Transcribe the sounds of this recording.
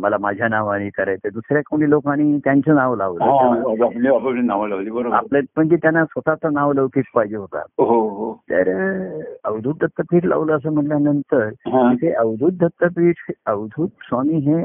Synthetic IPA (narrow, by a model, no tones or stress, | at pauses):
məlamad͡ʑʱjanaʋaɽ̃iːkəɾajt̪ed̪usɾjakoɽiːlokaɽ̃it̪jaɲt͡sənaʋla̰ʋləãapniapapinaʋlaʋliːbəɾoba̰plepəɳd͡ʑit̪janːasʋət̪at͡s̪ənaʋləʋkiːʈ̚paid͡ʑeɦot̪a̰ɦoɦot̪ə̰ɾ | əʋd̪ʱut̪̚d̪ʱət̪ːəpiːʈʰla̰ʋləəs̬əːm̤əʈljanənt̪əɾɦãit̪ʰeʔəʋd̪ʱut̪̚d̪ʱət̪ːəpiːʈʰəʋd̪ʱuːt̪̚samiːɦe